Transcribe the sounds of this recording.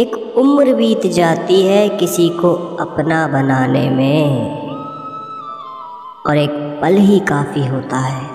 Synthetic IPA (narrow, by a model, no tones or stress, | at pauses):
eːk | ʊmɾbiːt̪d͡ʒaːt̪iɦɛkɪsikoɐpnabɐnaːnḛmẽ | ɔːɾeːk̚pəlɦikaːfiɦoːt̪aɦɛː